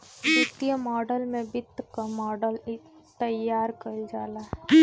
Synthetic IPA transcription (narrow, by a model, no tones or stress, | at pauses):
nɪt̪ijəmɔːɖəlmẽbɪt̪ːkamɔːɖəl | t̪ɐjːaːɾkɐld͡ʒaːlaː